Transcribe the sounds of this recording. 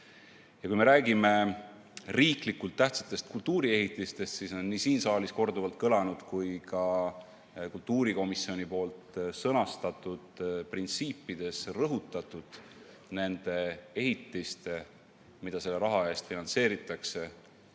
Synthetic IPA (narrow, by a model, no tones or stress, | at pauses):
jɑkujme̞ɾæːɡime̞ | riːklikːult̪ːæht̪sɑ̥t̪ːˑe̞st̪̚kult̪uːɾie̞ɦit̪ːˑist̪e̞st̪siso̞nːisiːnsɑːlisko̞rd̪uvɑlt̪̚kɤlɑnud̪̥kujkɑ | kult̪ːuːɾiko̞misio̞nʲipo̞ːlt̪sɤnɑst̪ɑt̪ːˑud̪̥print̪siːpːˑid̪̥e̞srɤɦut̪ːˑɑt̪ːˑud̪̥ | ne̞nd̪̥e̞e̞ɦit̪ˑːist̪ | mid̪̥ɑse̞lːe̞ɾɑɦɑe̞ːst̪finɑnt̪se̞ːɾit̪ːˑɑkse̞